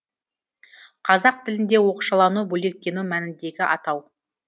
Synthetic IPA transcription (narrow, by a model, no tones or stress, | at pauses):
qʰɑzɑq̚t̪ʰɪlɪnd̪e̞wo̞quʃɑlˠɑnubɵle̞k̚t̪ːe̞numænɪnd̪e̞ɡʲɪʔɑ̰t̪ɑw